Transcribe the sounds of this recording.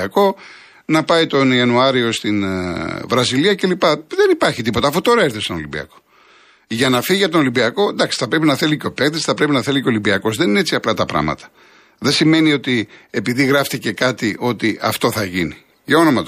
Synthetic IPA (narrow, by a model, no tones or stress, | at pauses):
ɐko̞ | nɐpɐit̪o̞niɐnuɐɾio̞st̪invɾɐziliɐce̞lipɐðe̞nipɐɾçit̪ipo̞t̪ɐːfut̪o̞ɾɐeɾθest̪ono̰limbiɐ̰ko̞̥ | ʝɐnɐfiɣiɐt̪ono̞limbiɐko̞nd̪ɐksi̥θɐpɾe̞pinɐθe̞liceo̞pekt̪esθɐpɾepinɐθe̞liceo̞limbiɐko̞zðe̞ninee̞t͡siɐplɐt̪ɐpɾɐ̰mɐ̰t̪ɐ̥ | ðesime̞nio̞t̪ie̞piðiɣɾɐft̪ice̞kɐt̪iʔo̞t̪iʔɐ̰ft̪o̞θɐʝini | ʝɐo̞no̞mɐt̪o